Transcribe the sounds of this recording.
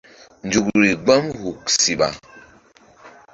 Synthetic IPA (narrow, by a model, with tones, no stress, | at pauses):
nd͡ʒu˨kɾi˨ɡ͡ba˦mhu˨ksi˨ɓa̰˨